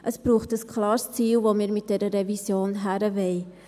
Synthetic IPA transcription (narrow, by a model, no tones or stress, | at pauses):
ʔəsb̥ruːχtəskʰlɑːrst͡siːlˠvoːmiəɾmɪt̚deɾərevisjoːnɦæɾəvej